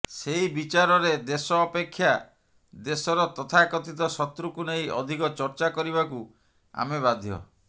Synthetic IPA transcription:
seibit͡ʃaɾɔɾed̪esɔːpekʰːja | d̪esɔɾɔt̪ɔt̪ʰakɔt̪it̪ɔsɔt̪ɾukuneiɔ̰d̪ʱikɔt͡ʃɔɾt͡ʃakɔɾiβaku | a̰meβad̪ʱjɔ̰

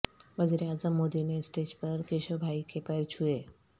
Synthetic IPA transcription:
ʋɐziɾeaːzəmːoːd̪inesʈeːd͡ʒpɐɾkeʃobʱaːikepɐjɾt͡ʃʰue

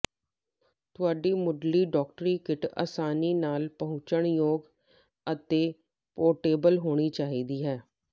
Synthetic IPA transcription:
t̪ʊaːɖiːmʊɖliːɖɔːk̚ʈɾiːkɪʈa̰ːsaːniːnaːlpəɦʊ̃t͡ʃəɳjoːɡ | ət̪eː | poːʈeːbəlɦoːɽ̃iːt͡ʃaːɦiːd̪iːɦɛː

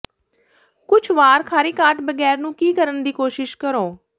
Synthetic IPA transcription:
kʊt͡ʃʰʋaːɾkʰaːɾiːkaːʈbəɡɛːɾnũːkiːkəɾənd̪iːkoːʃɪʃkəɾõː

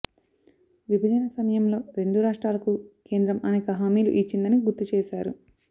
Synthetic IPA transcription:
ʋibʱɐd͡ʒɐnɐsɐmɐjɐmlo̞ːɾe̞ɳɖuɾaːʂʈɾaːlɐkuke̞ːnd̪ɾɐmɐneːkɐɦaːmiːlṵʔiːt͡ʃːind̪ɐniɡuɾt̪ːut͡ʃeːʃaːɾṵ

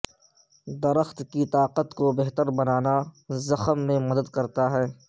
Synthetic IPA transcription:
d̪ɐɾəxt̪kit̪aːqət̪kobɛɦt̪əɾbɐnaːnazɐxəmːẽmɐd̪əd̪kɐɾt̪aɦɛː

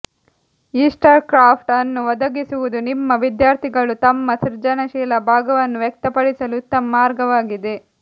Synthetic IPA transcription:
iːsʈɐɾkɾaːpʰʈɐnːuʋɔd̪ɐɡisuʋud̪unimːɐʋid̪jaːɾt̪ʰiɡɐɭut̪ɐmːɐsiɾd͡ʒɐnɐʃɛːlɐbʱaːɡɐʋɐnːuʋjɛk̚t̪ɐpɐɽisɐlut̪ɐmːaːɾɡɐʋaːɡid̪e̞

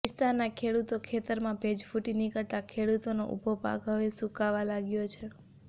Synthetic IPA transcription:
ɪst̪annːakʰeɽut̪okʰet̪əɾmãbʱed͡ʒfuʈinikəɭt̪akʰeɽut̪ono̰ʔṵbʱopa̰kɦəʋesukaʋalaɡjot͡ʃʰe

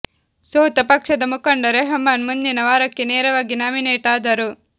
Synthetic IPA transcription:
soːt̪ɐpɐkʂɐd̪ɐmukɐɳɖɐɾeɦɐmːaːnmund̪inɐʋaːɾɐkːeneːɾɐʋaːɡinaːmineːʈaːd̪ɐɾu

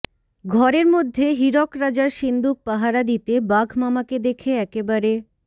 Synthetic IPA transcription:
ɡʱɔɾeɾmod̪ʱːeɦiɾɔkɾad͡ʑaɾʃind̪uk̚paɦaɾad̪it̪ebaɡʱmamaked̪ekʰeɛkebaɾe

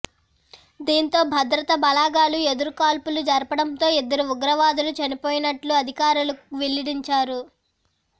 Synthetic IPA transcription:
d̪iːnt̪o̞ːbʱɐd̪ɾɐt̪ɐbɐlaːɡaːlue̞d̪uɾukaːlpulud͡ʒɐɾpɐɽɐnt̪o̞ːid̪ːɐɾuuɡɾɐʋaːd̪ulut͡ʃɐnipo̞ːjinɐʈluɐd̪ʱikaːɾuluʋeliɽiɲt͡ʃaːɾu

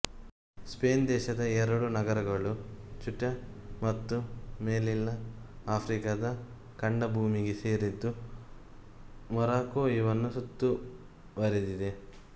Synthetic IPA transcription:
speːnd̪ɛːʃɐd̪ɐɛɾɐɽunɐɡɐɾɐɡɐɭut͡ʃuʈːɐmɐt̪ːumeːlilːɐaːpʰɾikɐd̪ɐ | kɐɳɖɐbʱuːmiɡeseːɾid̪ːu | mɐɾaːkoːjiʋɐnːusut̪ːu | bɐɾid̪id̪e

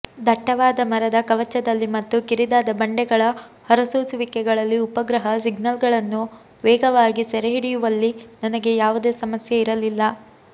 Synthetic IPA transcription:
d̪ʱɐʈːɐʋaːd̪ɐmɐɾɐd̪ɐkɐʋɐt͡ʃːɐd̪ɐlːimɐt̪ːukiɾid̪aːd̪ɐbɐɳɖɛɡɐɭɐhɐɾɐsoːsuʋikɛɡɐɭɐlːiupɐɡɾɐɦɐs̬iɡnɐlɡɐɭɐnːu | ʋɛːɡɐʋaːɡisɛɾeɦiɽijuʋɐlːinɐnɐɡe̞jaːʋud̪e̞ːsɐmɐsjɐiɾɐlilːɐ

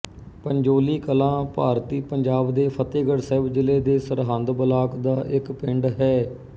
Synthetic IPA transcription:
pəɲd͡ʒoːliːkəlãːpaːɾt̪iːpəɲd͡ʒaːbd̪eːpʰət̪eːɡəɽsɛːbd͡ʒɪleːd̪eːsəɾɦə̃nd̪bəlaːkd̪aːʔɪkpɪɳɖɦɛː

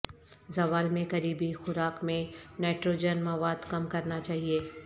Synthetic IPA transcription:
zɐʋaːlmẽkɐɾiːbixʊɾaːkmẽnɛːʈɾoːd͡ʒənmɐʋaːd̪kɐmkɐɾnat͡ʃaːɦieː

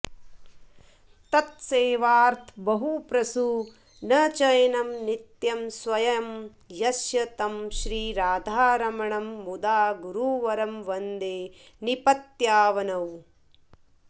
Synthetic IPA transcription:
t̪ɐt̪̚seːʋaːɾt̪ʰbɐɦupɾɐsu | nɐt͡ʃɐjɐnɐmnit̪jɐmsʋɐjɐm | jɐsjɐt̪ɐmʃɾiːɾaːd̪ʱaːɾɐmɐɳɐmːud̪aːɡuɾuːʋɐɾɐmʋɐnd̪eː | nipɐt̪jaːʋɐnɐw

